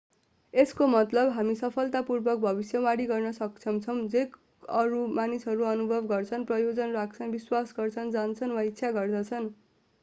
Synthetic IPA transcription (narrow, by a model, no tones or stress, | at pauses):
eskomʌt̪lʌbɦamisʌpʰʌlt̪apurbʌk̚bʱʌbisjʌwaɽiɡʌrnʌsʌkt͡sʰʌmt͡sʰʌw̃d͡zek | ʌɾumanisɦʌɾuʌnubʱʌbɡʌrt͡sʰʌnprʌjod͡zʌnrak̚t͡sʰʌnbiswasɡʌrt͡sʰʌnd͡zant͡sʰʌnwaitːsʰaɡʌrd̪ʌt͡sʰʌn